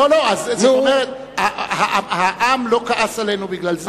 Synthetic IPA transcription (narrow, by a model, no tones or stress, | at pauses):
olo̞azzeomeʁet̪̚ | ahahaʔamlo̞kaʔasalenubiɡlalz